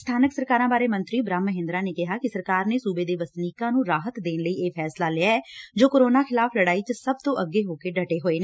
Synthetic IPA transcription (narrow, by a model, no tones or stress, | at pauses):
st̪ʰaːnəksəɾkaːɾãːbaːɾeːmənt̪ɾiːbɾãːmːəɦɪ̃nd̪ɾaːneːkɪɦaːkɪsəɾkaːɾneːsuːbeːd̪eːʋəsniːkãːnũːɾaːɦət̪d̪eːnləiːʔeːpʰɛːslaːlɪaːɛːd͡ʒoːkoɾoːnaːkʰɪlaːpʰləɽaːiːt͡ʃəsəb̚t̪õːʔəɡːeːɦoːkeːɖəʈeːɦoːeːneː